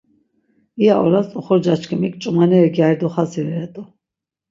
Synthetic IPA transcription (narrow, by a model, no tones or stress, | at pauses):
iaʔɔɾast̪ʼɔχɔɾd͡ʒat͡ʃkʰimikʼt͡ʃʼumanɛɛɡjajɾd̪ɔχazivɛɛt̪ʼɔ